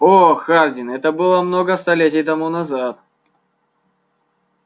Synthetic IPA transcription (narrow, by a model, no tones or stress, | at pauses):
oxardʲɪnɛt̪əbɨlˠəmnoɡəst̪ɐlʲetʲɪjt̪ɐmunɐzat̪̚